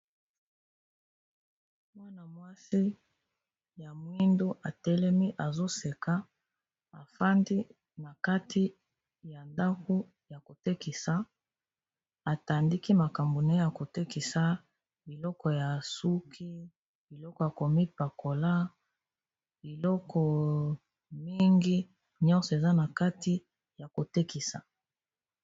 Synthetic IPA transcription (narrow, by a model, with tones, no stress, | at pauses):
mwa˦na˨mwa˦si˦ | ja˨mwi˦ndo˦ʔa˨tɛ˦lɛ˦mi˦ʔa˨zo˦se˨ka˦ | a˨fa˦ndi˦ | na˨ka˦ti˦ | ja˨nda˦ko˦ | ja˨ko˨te˦ki˨sa˨ | a˨ta˨ndi˦ki˦ma˨ka˨mbo˨ne˦ja˨ko˨te˦ki˨sa˦ | bi˨lɔ˦kɔ˨ja˨su˦kʰi˦ | bi˨lɔ˦kɔ˨ja˨ko˨mi˦pa˨ko˨la˦ | bi˨lɔ˦kʰɔ˨ | mi˦ŋɡi˦ | ɲɔ˦nsɔ˨e˨za˦na˨ka˦ti˦ | ja˨ko˨te˦ki˨sa̰˨